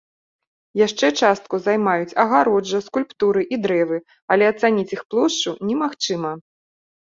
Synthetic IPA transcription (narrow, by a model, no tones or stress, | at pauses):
jaʂt͡ʂɛt͡ʂast̪̚kuzajmajut͡sʲɐɣaɾɔd͡ʐːɐskulʲpt̪uɾɨʔid̪ɾɛvɨ | ɐlʲɛɐt̪sanʲit͡sʲixplˠɔʂt͡ʂunʲɛmaxt͡ʂɨmɐ